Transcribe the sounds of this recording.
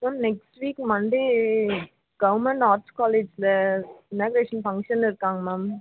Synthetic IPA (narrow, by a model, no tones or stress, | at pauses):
maːmnɛksʈʋiːkmɐɳɖe | ɡ̥ɐʋɾmɛɳɖaːɾskaːleːd͡ʒlɐɪnaːɡɾeːʂɐnfɐ̃ŋɡʂɐnɪɾɯkːaːŋɡɐmaːm